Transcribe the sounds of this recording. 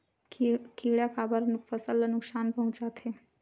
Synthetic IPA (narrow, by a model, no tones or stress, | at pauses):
kʰiːɭjakʰabəɾnufəsəlːnʊksaːnpəɦũt͡ʃat̪ʰe